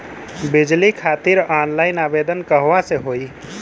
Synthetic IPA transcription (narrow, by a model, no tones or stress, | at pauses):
bid͡ʒlikʰat̪iɾanlajnabed̪ənkəɦʋaseɦoi